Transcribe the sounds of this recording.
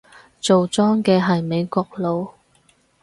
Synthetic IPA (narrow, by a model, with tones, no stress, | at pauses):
t͡so˨wt͡sɔː˥ŋkɛː˧ɦɐ˨jme˨˧jkɔː˧k̚lo˨˧w